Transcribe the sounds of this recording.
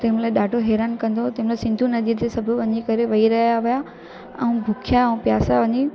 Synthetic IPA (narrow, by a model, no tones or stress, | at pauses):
t̪ɐɦɪ̃mlaːɪɗaːɖʱoɦeːɾaːnkɐ̃nd̪ot̪ɐɦɪmlaːɪsɪ̃nd̪ʱunɐziːɾd͡ʑesɐbʱʊʋɐɲikɐɾeʋɐiɾɐɦijaʋija | ɛ̃ũbʱʊkʰijaɛ̃ũpjaːsaʋɐɲi